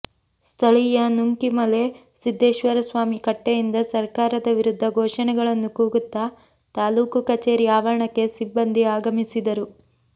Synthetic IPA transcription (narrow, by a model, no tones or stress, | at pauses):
st̪ʰɐɭijɐnuŋkimɐle̞ | sid̪ʱːeːʃʋɐɾɐsʋaːmikɐʈːejind̪ɐsɐɾkaːɾɐd̪ɐʋiɾud̪ʱːɐɡʱɔːʂɐnɛɡɐɭɐnːukuːɡut̪ːɐ | t̪aːluːkukɐt͡ʃe̞ːɾiaːʋɐɾɐɳɐkːe̞sibːɐnd̪ʱiaːɡɐmisid̪ɐɾu